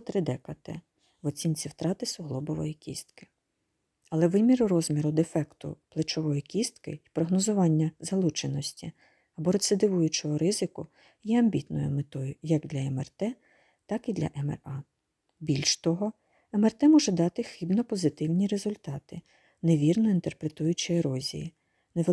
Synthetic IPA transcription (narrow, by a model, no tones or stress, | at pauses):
t̪ɾɪd̪ɛkɐt̪ɛ̰ | ʋɔt͡sʲint͡sʲiwt̪ɾɑt̪ɪsʊɦlˠɔbɔʋɔjikʲḭst̪kɪ̥ | ɐlˠɛʋɪmʲiɾʊɾɔzʲmʲiɾʊd̪efɛkt̪ʊ̰plˠet͡ʃɔʋɔjikʲist̪kɪ̰ipɾɔɦnɔzʊʋɑnʲːɐzɐlˠut͡ʃenɔsʲtʲi | ɐbɔɾɔsɛd̪ɪʋujʊt͡ʃɔɦɔɾɪzɪkʊ | jɛɐmʲbʲit̪nɔ̰jʊ̰met̪ɔjʊjɐɡd̪lʲɐɛmɛrt̪ɛ | t̪ɑkid̪lʲɐ̰ʔɛmɛ̰rɑ | bʲilʲʃt̪ɔɦɔ | ɛmɛrt̪ɛmɔʒɛd̪ɑt̪ɪxɪbnɔpɔzɪt̪ɪwnʲiɾe̞zʊlʲt̪ɑt̪ɪ | neʋʲirnɔint̪erpɾet̪ujʊt͡ʃɪeɾɔzʲḭjḭ | neʋ